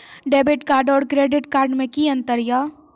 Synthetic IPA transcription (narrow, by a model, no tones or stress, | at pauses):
ɖeːbɪʈkaːɾɖɔːɾkɾeːɖɪʈkaːɾɖmẽkiɐ̃nt̪əɾjaː